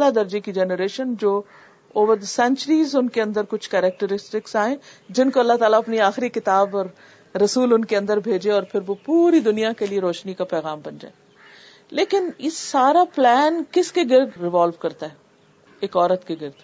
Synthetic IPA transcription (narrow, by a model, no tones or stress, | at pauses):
lad̪ɐɾd͡ʒekid͡ʒɛːnəɾeːʃənd͡ʒoː | oːʋəɾd̪əsɛ̃nt͡ʃəɾiːzʊnkeɐ̃nd̪əɾkʊt͡ʃʰkɛːɾɛk̚ʈəɾɪsʈɪksaːẽd͡ʒɪnkoɐlːaɦt̪aːlaɐpniaːxɾikɪt̪aːbɔːɾː | ɐsuːlʊnkeɐ̃nd̪əɾbʱeːd͡ʒeɔːɾpʰɪɾʋopuːɾid̪ʊnijakelieɾoːʃnikapɛːɣaːmbɐnd͡ʒa̰ːe | leːkɪnɪsːaːɾaplɛːnkɪskeɡɪɾd̪ɾɪʋaːlʋkɐɾt̪aɦɛː | eːkɔːɾət̪keɡɪɾd̪